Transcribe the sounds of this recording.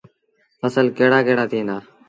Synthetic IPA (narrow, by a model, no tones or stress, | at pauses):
əsəlkeːɽaːkeːɽaːt̪ʰiːnaː